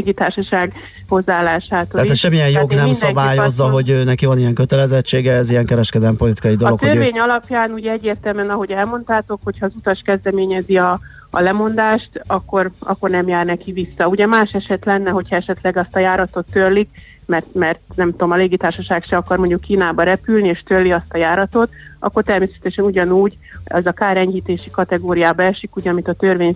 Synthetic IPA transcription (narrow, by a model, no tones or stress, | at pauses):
ɡit̪aːrʃɒʃaːɡ | ho̞zːaaːlːaːʃaːt̪oːaɛʃɛmːijɛnjoɡnɛmnsdɒbaːjoszːɒɦo̞ɟøːnɛkivɒnijɛŋkøt̪ɛlɛzɛt͡ʃːeːɡɛɛziɛŋkɛɾɛʃkɛd̪ɛlɛmpolit̪i̥kɒjid̪loktk̪oørveːɲɒlɒpjaːnuɟɛɛɟːeːrt̪ɛlmɛnɒɦo̞ɟɛlmo̞nt̪aːt̪o̞kho̞chɒːzut̪ɒʃkɛzd̪ɛmeːɲɛziɒ̰ː | lɛmo̞n̪d̪aːʃt̪ɒkːo̞rɒ̰kːo̞rnɛmjaːrnɛkiʋisːɒuɟɛmaːʃɛʃɛt̪lɛnːɛɦo̞cʰhɒɛʃɛt̪lɛɡɒst̪ɒjaːɾɒt̪o̞t̪ːørlik | mɛrt̪mɛrt̪nɛmt̪uomɒleːɡit̪aːrʃɒʃaːkʃɛɒkɒrmo̞ɲɟukːiːnaːbɒɾɛpylnieːʃt̪ølːiɒst̪ɒjaːɾɒt̪o̞t̪ɒ̰kːort̪ɛrmeːsɛ̥t̪ɛʃɛnuɟɒnuːɟ | ɛ̰zɒkaːɾɛɲhiːt̪eːʃikɒt̪ɛɡoːɾijaːbɛʃikuːɟɒmit̪ɒt̪ørʋeːɲ